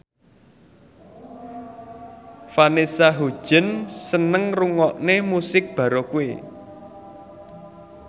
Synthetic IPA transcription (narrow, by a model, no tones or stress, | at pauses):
fanesaɦu̥ʒ̥ə̤nsənəŋruŋɔʔnemusɪk̚b̥ä̤ɾokue